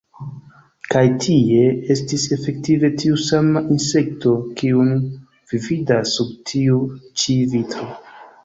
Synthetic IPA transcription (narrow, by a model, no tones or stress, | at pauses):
kajtʰie̞e̞stise̞fe̞ktive̞tʰiusamaʔinse̞k̚to̞kiun | vividasːub̚tʰiut͡ʃivitɾo̞